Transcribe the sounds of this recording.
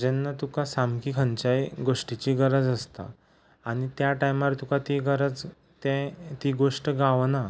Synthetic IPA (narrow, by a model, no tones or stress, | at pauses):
d͡ʑenːət̪ukasamkiːkʰəɲt͡ɕajɡoʂʈit͡ɕiɡəɾəd͡zəst̪a̰ | aɽ̃it̪jaʈajmaɾt̪ukat̪iɡəɾəd͡z | t̪ẽt̪iɡoʂʈəɡaʋna